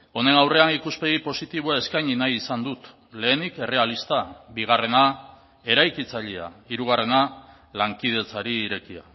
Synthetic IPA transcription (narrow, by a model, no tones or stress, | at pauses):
o̞ne̞nawre̞anikuspe̞ɣipo̞sit̪iβuae̞skajɲinajisand̪ut̪ | le̞ːnike̞re̞alist̪aβiɣ̞are̞na | e̞ɾajkit͡saʎea̰iɾuɣ̞are̞na | laŋkið̞e̞t͡saɾiːɾe̞kia̰